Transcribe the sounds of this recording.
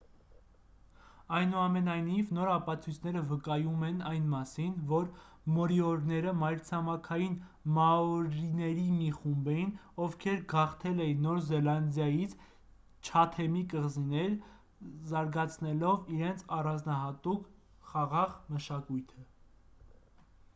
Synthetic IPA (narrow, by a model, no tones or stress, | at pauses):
ɑjnuɑmɛnɑjnivnɔɾɑpɑt͡sʰujt͡sʰnɛɾəvəkɑjumɛnɑjnmɑsinvɔɾ | mɔɾiɔɾnɛɾəmɑjɾt͡sʰɑmɑkʰɑjinmɑɔɾinɛɾimiχumbɛjinɔvkʰɛɾɡɑχt̪ʰɛlɛjinːɔɾzɛlɑnd̪jɑjit͡sʰ | t͡ʃʰɑt̪ʰɛmikəʁzinɛl | zɑɾɡɑt͡sʰnɛlɔviɾɛnt͡sʰɑrɑnd͡znɑɦɑt̪uk | χɑʁɑʁməʃɑkujt̪ʰə